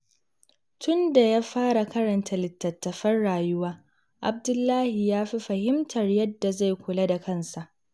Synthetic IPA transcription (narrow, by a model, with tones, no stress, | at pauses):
tʊ˦nda˨jaː˦ɸaː˦ɾa˨kɐ˦ɾɐ˨ntʰa˦lɪ˨tːɐ˨tːɐ˨ɸɐ˦rɽaː˨jʊ˦waː˦ | ʔa˨b̚dʊ˦lːaː˦hi˨jaː˦ɸi˦ɸɐ˨hɪ˦mtʰɐ˨rjɐ˦dːa˨za˦˨jkʷʊ˨la˦da˨kʰɐ˦nsa˨ʔ